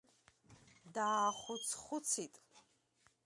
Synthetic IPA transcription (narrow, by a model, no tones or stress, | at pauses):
d̪aːχʷʊt͡sʰχʷʊt͡sʰit̪ʼ